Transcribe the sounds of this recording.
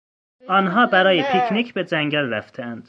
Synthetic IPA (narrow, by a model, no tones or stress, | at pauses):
ɒːnɦɒːbæɾɒːjepʰikʰnicʰbed͡ʒæŋɟælɾæft̪ʰeænd̪̥